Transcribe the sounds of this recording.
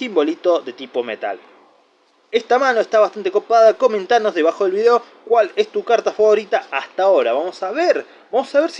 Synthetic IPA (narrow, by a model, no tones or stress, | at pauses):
simbo̞lit̪oðe̞t̪ipo̞mḛt̪a̰l | est̪amano̞est̪aβast̪ant̪ekopaðako̞mẽnt̪annozðe̞βaxo̞ðe̞lβiðeo̞ | kwalest̪ukaɾt̪afaβo̞ɾit̪aast̪ao̞ɾaβamo̞saβeɾ | bamo̞saβeɾs